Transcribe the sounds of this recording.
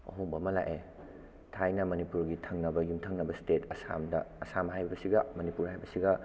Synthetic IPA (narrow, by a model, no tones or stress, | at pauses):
ɐ̰ɦoŋbɐmɐla̰ʔe | tʰajnɐmɐnipuɾɡitʰɐŋnɐbɐjumtʰɐŋnɐbɐstetɐsa̰mdɐːsamhajbɐbɐsiɡɐmɐnipuɾhajbɐsiɡɐ